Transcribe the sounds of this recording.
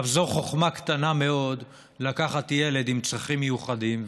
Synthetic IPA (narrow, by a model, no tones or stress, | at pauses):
vzoχo̞χmakt̪aname̞o̞d̪ | lakaχatjele̞d̪imt͡sʁaχimːejuχadim